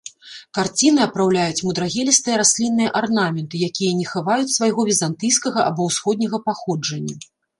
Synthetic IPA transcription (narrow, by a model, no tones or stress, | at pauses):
kart͡sʲinɨɐpɾawlʲajut͡sʲmud̪ɾaɣʲɛlʲist̪ɨjɐɾasʲlʲinːɨjɐʔarnamʲɛnt̪ɨjakʲijɐnʲɛxɨvajut͡sʲsvajɣɔvʲizant̪ɨjskɐɣɐʔabɔwsxɔd̪ʲnʲɐɣɐpaxɔd͡ʐɐnʲːɐ